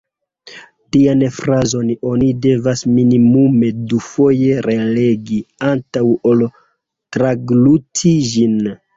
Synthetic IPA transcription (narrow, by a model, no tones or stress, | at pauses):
tianfɾazo̞no̞nide̞vasminimume̞dufo̞je̞ɾe̞le̞ɡiantawol | tɾaɡlutʰid͡ʒin